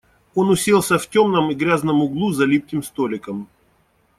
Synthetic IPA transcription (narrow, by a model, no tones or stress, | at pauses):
o̞nʊsʲelˠsʲəftʲomnəmiɡɾʲaznəmʊɡlˠuzɐlʲip̚kʲɪmst̪olʲɪkəm